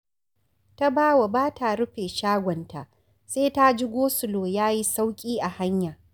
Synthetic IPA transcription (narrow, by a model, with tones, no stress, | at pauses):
ta˦baː˦wa˨baː˦tʰa˨ɽʊ˦ɸeː˨ʃaː˦ɡʷɔ˨nta̰˨ʔ | seː˦ta˦d͡ʒɪ˦ɡʷoː˦sʊ˨loː˨jaː˦ji˦sa˦wkʲʼiː˦ʔa˨ha˦ɲjaː˨